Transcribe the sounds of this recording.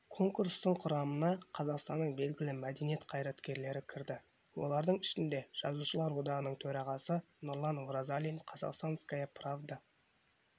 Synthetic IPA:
kʰo̞ŋkuɾst̪əɴqʰʊɾɑmənɑqʰɑzɑqst̪ɑnːəɴbe̞lɡʲɪlɪmæd̪e̞nijet̪qʰɑjɾɑt̪kʲe̞ɾle̞ɾɪkʲʰɪɾd̪ɪ | wo̞̰lˠɑɾd̪əɴɪʃɪnd̪e̞ʒ̥ɑ̰zuʃəlˠɑɾwo̞d̪ɑʁənəɴt̪ʰɵɾɑʁɑsə | nʊɾlˠɑnwoɾazalʲijnqʰɑzɑ̰qst̪ɑnskajapravd̪a

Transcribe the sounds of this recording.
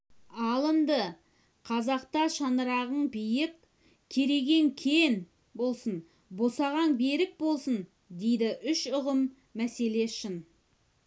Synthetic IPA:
ɑlˠəmd̪ə | qʰɑzɑqt̪ɑʃɑnəɾɑʁəɴbijɪk | kʲʰe̞ɾe̞ɡʲe̞ŋkʲʰen | bo̞lˠsən | bo̞sɑʁɑnbe̞ɾɪk̚bo̞lˠsən | d̪e̞jd̪ɪʔʏʃʊʁəmː | æse̞le̞ʃɪn

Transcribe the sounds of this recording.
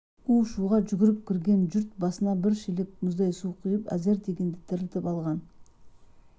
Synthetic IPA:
uʃuʁɑʒʏɡʲɪɾɪp̚kʲʰɪɾɡʲe̞nʒʏɾt̪̚bɑsənɑbɪɾʃelep̚mʊzd̪ɑjsuqʰəjəpæ̰ze̞ɾd̪e̞ɡʲe̞nd̪ɪt̪ʰɪɾɪlt̪ɪpɑlˠʁɑn

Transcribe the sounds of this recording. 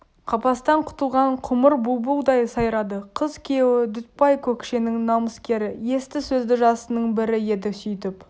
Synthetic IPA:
qʰɑpɑst̪ɑɴqʰʊ̥t̪əlˠʁɑɴqʰʊməɾbubulˠd̪ɑjsɑjɾɑd̪əqʰəzkʲʰe̞wɪd̪ʏt̪̚pɑjkʲʰɵkʃe̞nɪŋnɑməskʲe̞ɾɪje̞st̪ɪsɵzd̪ɪʒɑsənəɴbɪɾɪje̞d̪ɪsʏjt̪ɪp

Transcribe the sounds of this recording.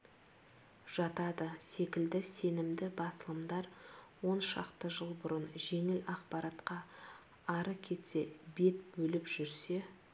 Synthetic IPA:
ʒ̥ɑt̪ɑd̪əse̞kʲɪld̪ɪse̞nɪmd̪ɪbɑsəlˠəmd̪ɑɾwo̞nʃɑ̰qt̪əʒəlˠbʊɾənʒe̞ŋɪlɑqpɑɾɑt̪qɑː | ɾəkʲʰe̞t̪se̞be̞t̪bɵlɪpʒ̥ʏɾse̞

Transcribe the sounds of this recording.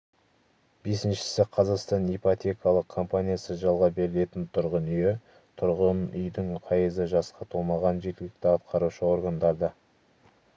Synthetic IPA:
b̥e̞sɪnʃɪ̥sɪqʰɑzɑqst̪ɑnejpot̪ʲe̞kɑlˠəq̚kʰːo̞mpanʲijasəʒɑlˠʁɑbe̞ɾɪle̞t̪ɪnt̪ʰʊɾʁənʏje | t̪ʰʊɾʁənʏ̰jd̪ɪŋqʰɑjəzəʒɑsqɑt̪ʰolˠmɑʁɑnʒe̞ɾkʲɪlɪk̚t̪ɪɑt̪qʰɑɾuʃəo̞ɾɡand̪ɑɾd̪ə

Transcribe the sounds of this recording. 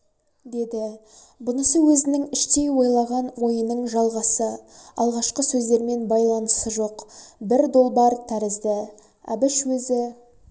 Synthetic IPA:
d̪e̞d̪ɪ | bʊnəsəwɵzɪnɪŋɪʃt̪e̞jwo̞jlˠɑʁɑnwo̞jənəɴʒɑlˠʁɑsəɑlˠʁɑʃqəsɵzd̪e̞ɾme̞nbɑjlˠɑnəsəʒo̞qbɪɾd̪o̞lˠbɑɾt̪ʰæɾɪzd̪ɪ | æ̰bɪʃwɵzɪ

